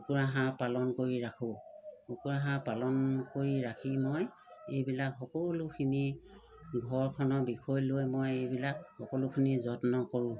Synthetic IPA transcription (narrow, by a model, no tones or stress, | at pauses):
kkukuɹaɦãpalɔnkoɹiɹakʰʊ̃kukuɹaɦãpalɔnkoɹiɹakʰimoj | ejbilakɦɔkɔlʊkʰini | ɡʱɔɹkʰɔnɔbikʰɔjlojmojejbilakxɔkɔlʊkʰinizɔtnɔkɔɹʊ̃